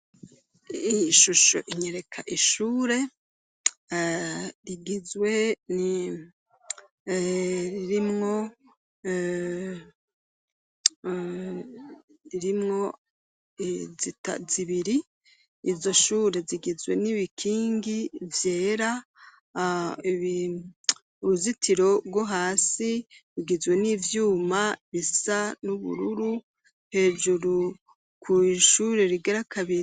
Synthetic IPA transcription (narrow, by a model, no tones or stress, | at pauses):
iʃuʃo̞̰ʔiɲeɾe̞kʰaʔiʃuːɾe̞ | ɾiɡizwe̞ni | ɾiɾimŋo̞ | ɾiɾimŋo̞ | zita̰ziβiɾiː | zo̞ʃuːɾe̞ziɡizwe̞̰niβikʰiːŋɡivje̞ːɾa | i | uɾuzitʰiɾo̞bɡwoɦaːsiβiɡizwe̞niːvjuːmaβisanuβṵɾuɾu | he̞ːd͡ʒuɾu | kʰuʃuɾe̞ɾiɡaɾakʰaβi